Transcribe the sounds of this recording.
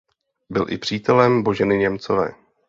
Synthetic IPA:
bɪlʔɪ̰pr̝̥iːt̪ɛlɛmbo̞ʒɛnɪɲɛmt͡so̞vɛ̰ː

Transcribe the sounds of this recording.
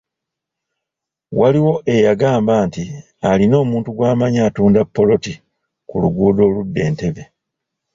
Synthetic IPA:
waliwo̞ʔe̞jaɡaːmbaːnti | alino̞ːmuːntuɡwaːmaɲaːtuːndapːo̞lo̞ti | kuluɡuːdo̞ːludːe̞ːnte̞βe̞

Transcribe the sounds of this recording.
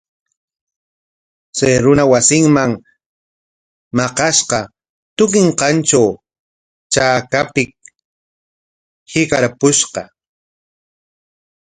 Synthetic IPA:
sajɾʊnawasɪŋmaŋ | mɑqɑʃqɑ | t̪ʊk̬ɪɴqɑnt͡ʃaw | t͡ʃaːkapɪk̚ | hɪkaɾpʊʃqɑ

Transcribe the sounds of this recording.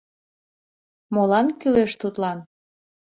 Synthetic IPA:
molɑnkyleʃt̪ut̪lɑn

